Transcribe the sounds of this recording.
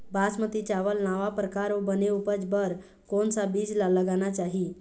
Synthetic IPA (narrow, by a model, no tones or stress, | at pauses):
basmət̪it͡ɕaʋəlnaʋapɾəkaɾobəneupəd͡ʒbəɾ | konsabiːd͡zlaləɡanat͡ʃaɦi